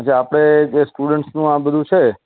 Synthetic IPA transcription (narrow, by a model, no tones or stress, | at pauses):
at͡ʃʰeapɽ̃ed͡ʒesʈuɽəɳʈsnũãbəd̪ʱũt͡ʃʰe